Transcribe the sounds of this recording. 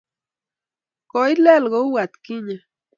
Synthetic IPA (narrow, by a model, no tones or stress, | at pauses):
koilelɣouwat̪kiɲa